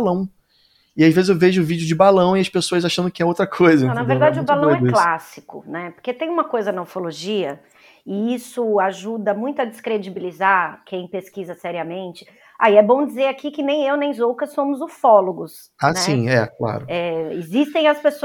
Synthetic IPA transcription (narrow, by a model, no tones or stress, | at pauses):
lɐ̃w̃ | ɪaʒvezɪzewveʒʊʊvid͡ʒʊd͡ʒɪbalɐ̃w̃iɐspesoɐzaʃɐ̃nd̪ʊkɪɛowt̪ɾɐkʰojzɐ̃nɐveɾd̪ad͡ʒɪʊbalɐ̃w̃ɛklasi̥kʊ̰nɛpoɾket̪ẽj̃ũmɐkojzɐnoɾfoloʒiɐ | ɪisʊaʒud̪ɐmũj̃t̪ʊɐd͡ʒɪskɾed͡ʒibilizaɾkʰẽj̃peskizɐsɛɾiɐmẽnt͡ʃɪ̥ | a̰iɛbõw̃d͡ʒizeɾakikɪnẽj̃ewnẽj̃zowkɐsõmʊzofɔloɡʊs | ansɛĩɛkla̰ɾʊɛɪ̰zist̪ẽj̃ɐspeso